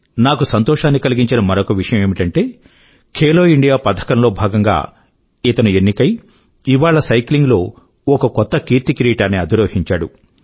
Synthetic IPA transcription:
naːkusɐnt̪ɔːʂaːnːikɐliɡiɲt͡ʃinɐmɐɾɔkɐʋiʂɐjɐme̞ːmiʈɐɳʈe̞ː | kʰeːlo̞ːiɳɖijaːpɐd̪ʰʱɐ̥kɐnlo̞ːbʱaːɡɐŋɡa̰ː | it̪ɐnuenːikɐj | iʋaːɭɐsɐjkliŋɡlo̞ː | ɔkɐkɔt̪ːɐkiːɾt̪ikɾiːʈaːnːiɐd̪iɾoːhiɲt͡ʃaːɽu

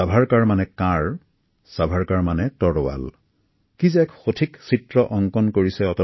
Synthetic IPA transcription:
abʱaɹkaɹmanɛkãɹ | sabʱaɹkaɹmanɛtɔɹɔwa̰l | kizɛɛkxotʰiksitɹɔʔɔŋkɔnkoɹisɛɔtɔ

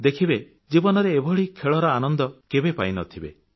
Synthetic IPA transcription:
d̪ekʰibe | d͡ʒibɔnɔɾeːbʱɔɭikʰeɭɔɾɔanɔnd̪ɔkebepajnɔt̪ʰibḛ

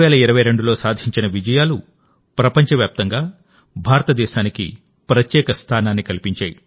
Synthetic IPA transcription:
ʋɛːlɐiɾɐʋɐjɾe̞ɳɖulo̞ːsaːd̪ʱiɲt͡ʃinɐʋid͡ʒɐjaːlu | pɾɐpɐɲt͡ʃɐʋjaːp̚t̪ɐŋɡaː | bʱaːɾɐt̪ɐd̪ɛːʃaːnikḭ | pɾɐt̪jɛːkɐst̪ʰaːnaːnːikɐlipiɲt͡ʃaːji

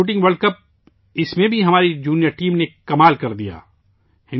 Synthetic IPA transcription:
uːʈ̬ɪ̃ŋɡʋɐɾɖkɐp̚ | ɪsmẽbʱiɦɐmaːɾid͡ʒuːnijəɾʈiːmnekɐmaːlkɐɾd̪ija̰ː | hɪ̃

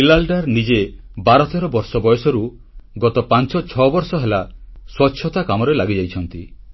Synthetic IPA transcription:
ilalɖaɾnid͡ʒebaɾɔt̪ɔɾɔbɔɾsɔbɔjɔsɔɾu | ɡɔt̪ɔpant͡ʃɔt͡ʃʰɔbɔɾsɔɦelaswɔtːʃʰɔt̪akamɔɾelaɡid͡ʒajt͡ʃʰɔnt̪i

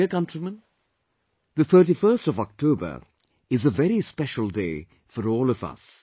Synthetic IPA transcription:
əkʌ̃ntɾimə̃n | ðət̪ʰəːʈifɜːstɔvɔk̚tʰoːbə̰˞ | ɪzəvɛɾispɛʃəl̩ˠdeː | fɔɾɔːlɔvʌ̰s

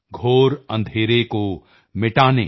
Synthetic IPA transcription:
ɡʱoːɾɐ̰̃nd̪ʱeːɾeko | mɪʈaːnḛ̃ː

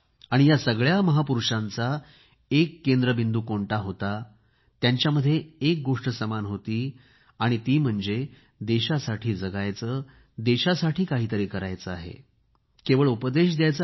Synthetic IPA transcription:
aɽ̃ijasəɡɭjaməɦapuɾuʂãnt͡sa | ekːend̪ɾəbind̪uːkoɳʈaɦot̪a | t̪jaɲt͡ɕjaməd̪ʱːjeek̚ɡoʂʈəsəmanɦot̪iː | aɽ̃it̪iːm̤əɳd͡ze | d̪eɕasaʈʰiːd͡zəɡajt͡səː | d̪eɕasaʈʰiːkaɦiːt̪əɾiːkəɾajt͡səaɦḛ | keʋəɭupəd̪eɕ̬d̪jajt͡s

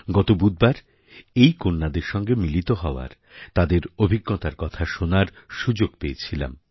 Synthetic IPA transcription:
ɡɔt̪obud̪̚baɾ | ejkonːad̪eɾʃɔŋɡemilit̪oɦɔoa̰ɾ | t̪ad̪eɾobʱiɡːot̪aɾkɔt̪ʰaʃonaɾ | ʃud͡ʑoɡ̥peet͡ɕʰila̰m

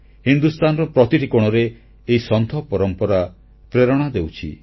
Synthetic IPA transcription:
hind̪ust̪anɔɾɔpɾɔt̪iʈikɔɽ̃ɔɾeː | isɔnt̪ɔpɔɾɔmpɔɾa | pɾeɾɔɽ̃ad̪ewt͡ʃʰḭ

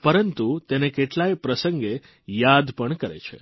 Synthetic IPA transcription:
pəɾənt̪ut̪enekeʈlajpɾəsəŋɡe | jad̪pəɳkəɾḛt͡ʃʰḛ

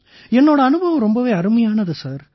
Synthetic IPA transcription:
ɛnːoːɽɐːnɯbʱɐʋɐmɾɔmbɐʋeːɐɾɯmɐjaːnɐðɯsaːɾ

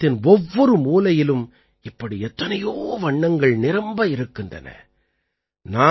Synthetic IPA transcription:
t̪ːɪnɔʋːɔɾɯmuːlɐjɪlɯm | ɪpːɐɽiɛt̪ːɐnɐjoːʋɐɳːɐŋɡɐɭnɪɾɐmbɐɪɾɯkːɪndrɐ̰nɐ̰ | naː

